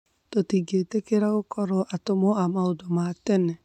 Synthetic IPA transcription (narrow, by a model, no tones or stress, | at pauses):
totiɡetekeɾaɣokʰɔɾɔʔatomoamaodomatɛnɛ